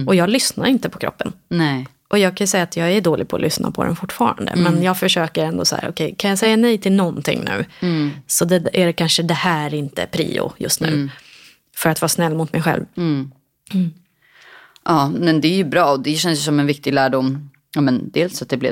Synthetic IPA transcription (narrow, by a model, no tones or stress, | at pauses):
ɔjɑːɡlʏsnaɾɪnt̪əpʰɔ̥kʰɾɔ̰pːənnɛ | ʔɔjɑːɡ̚kʰanjʏsɛjːaːt̪ʰjɑːɡæɖoːlɪɡ̚pʰɔːlʔʏsna̰pʰɔd̪ɛ̰nfʊʈːfɑ̰ːɾa̰nd̪ə̰mɛnjɑːɡfœʂøːkəɾɛnd̪ɔshæ̰ːɾʔɔkʰɛjkʰanjɑːsɛjːanɛjt̪ʰɪlnɔnt̪ʰɪ̰ŋːnʉ̟̰ːsɔd̪ɛæɖɛkʰanʂəd̪ɛhæːɾɪnt̪ə̰pʰɾḭːʊ̰jɵ̰st̪nʉ̟ː | fœɾat̪vɑːsnɛlːmʊt̪mɛjɧɛ̰lv | ʔɑːmɛnd̪ɛæɾjɵbɾɑːɔd̪ɛɕɛnəsəsɔmɛnvɪk̚t̪ɪɡlæːɖʊmː | ɑmɛnd̪eːlsat̪̚d̪ɛblɪ̰